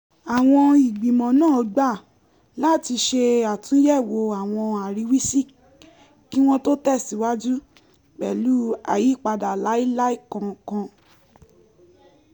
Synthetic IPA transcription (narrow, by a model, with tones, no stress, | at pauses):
a˨w̃ɔ̃˧i˨ɡ͡bĩ˨mɔ̃˨˦nãː˦˨ɔ˧ɡ͡ba˦˨ | la˦˨ti˧ʃe˧a˨tũ˦jɛ˦˨wo˧˦a˨w̃ɔ̃˧a˨ɾi˨˧˦wi˦si˦ | ki˦w̃ɔ̃˦to˦tɛ˦˨si˨˦wa˦d͡ʒu˦ | ɡ͡bɛ˨lu˦a̰˨ji˨˦k͡pa˧da˨la˨˦i˦la˦i˦kã˧˨kã˧